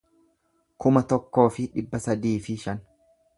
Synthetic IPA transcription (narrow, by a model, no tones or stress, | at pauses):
kʊmɐt̪ɔkːo̞ːfɪᶑɪbːɐsɐd̪iːfɪʃɐn